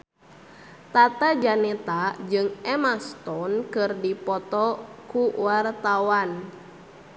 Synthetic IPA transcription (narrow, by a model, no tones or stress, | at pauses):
t̪at̪ad͡ʒanɛt̪ad͡ʒɨŋɛmast̪ɔnkɨrdipɔt̪ɔkuwart̪awan